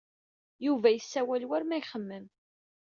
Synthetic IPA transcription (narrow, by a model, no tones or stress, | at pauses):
juvæjəsːæwælwæɾmæjχəmːəm